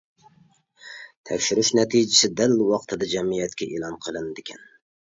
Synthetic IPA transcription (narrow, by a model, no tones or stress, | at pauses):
t̪ʰɛ̰kʲʃyɾyʃnɛt̪ʰid͡ʒɪsɪd̪ælwɑqt̪ʰɨd̪ɛd͡ʒɛmijɛt̪̚kʲɛʔelˠɑnqʰəlˠɨnd̪ɪkʲʰɛn